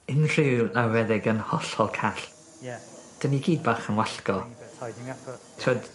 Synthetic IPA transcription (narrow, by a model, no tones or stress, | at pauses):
ɪnr̥ɪwlawɛðɪɡənhɔɬɔlˠkʰaɬ | d̥əniɡiːd̚baːχənwaɬɡɔ | tʰɪɔd̥